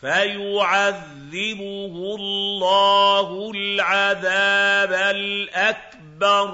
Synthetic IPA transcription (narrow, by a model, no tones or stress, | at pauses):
fajʊʕaðːɪbʊhʊlːɑːɦʊlʕaðaːbalʔak̚ | bɑɾˤ